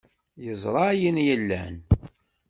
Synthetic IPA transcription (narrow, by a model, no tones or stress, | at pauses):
jəzˤɾˤɑjənjəlːæ̰n